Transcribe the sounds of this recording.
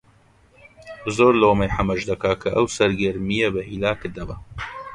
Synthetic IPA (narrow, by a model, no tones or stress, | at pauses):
zoːɾlowmɐjħamɐʒd̪ɐkakʰɐʔɐwsɐɾɡɐɾmijɐbɐhilaːkɨɾd̪ɐbɐ